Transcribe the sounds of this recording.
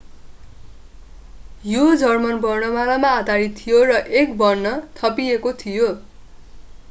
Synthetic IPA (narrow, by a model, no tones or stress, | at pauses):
jod͡zʌrmʌnbʌrnʌmalamaːd̪aɾit̪ʰːijorʌʔek̚bʌrnʌt̪ʰʌpiekot̪ʰijo